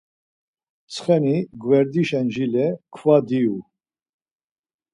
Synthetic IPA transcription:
t͡sʰχɛniɡvɛɾd̪iʃɛnʒilɛkʰvad̪iu

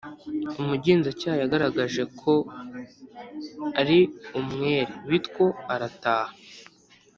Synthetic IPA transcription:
umuɟiːnzacaːjojaɡaɾaɡaʒe̞kʰo̞ | aɾiumŋe̞ːɾeβitko̞aɾataːha

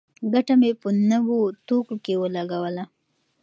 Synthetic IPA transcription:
ɡaʈamepənəwot̪okokewəlaɡawəla

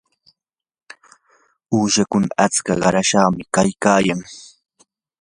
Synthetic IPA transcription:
uːʃakʊnaat͡skaɢɑɾaʃɑχmɪkajkaːjaŋ

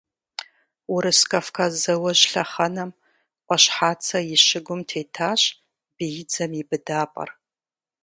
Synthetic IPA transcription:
ʊɾɨskʼafkʰazɐwɐʒɬɐχɐnɐm | qʷʼɔɕħaːt͡sʰɐjɪʃɪɡʷʊmtʰeːtʰaːɕ | b̥ijɪd͡zɐmibɨdaːpʼɐ̰r

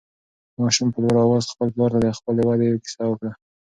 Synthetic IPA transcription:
mɑʃumpəlwaɾɑwɑzxpəlplɑɾt̪ad̪əxpəlewad̪ejwekɪ̥sɑwəkɽa

